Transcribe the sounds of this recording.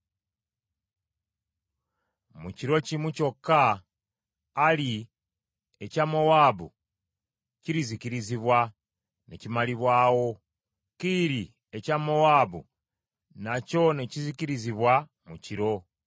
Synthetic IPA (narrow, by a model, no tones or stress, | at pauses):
muciɾo̞cimuco̞kːa | li | ecamo̞waːβṵ | ciɾizikiɾiziβwa | nḛcimaliβwaːwo̞ | kiɾi | e̞camo̞waːβṵ | naco̞ne̞ciziciɾiziβwa | muciɾo̞